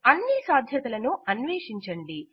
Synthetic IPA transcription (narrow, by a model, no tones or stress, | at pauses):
ɐnːisaːd̪ʱjɐt̪ɐlɐnuɐnʋeːʂiɲt͡ʃɐɳɖi